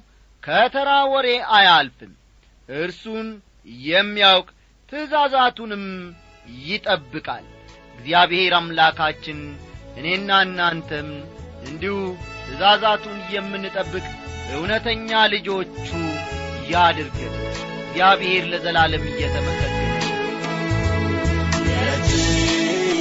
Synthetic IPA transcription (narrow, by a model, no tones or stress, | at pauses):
kʰət̪ʰəɾawɔɾe̞ajalfɨm | ʔɨɾsun | jɛmːijawkʼ | t̪ʰɨzazat̪unɨm | jɪt̪ʼəbːɨkʼa̰lɨɡzijaβheɾamlakʰat͡ʃːɪnʔɨne̞nːanːant̪ʰəmʔɨnd̪ihut̪ʰɨzazat̪ʰunjɛmːɨnːɨt̪ʼəbːɨkʼbəhunət̪ʰəɲːalɨd͡ʒo̞t͡ʃːujad̪ɾɡɨm | ɨɡzijaβehe̞ɾləzəlalɨmɨjːɛt̪ʰəməkʰːətːənə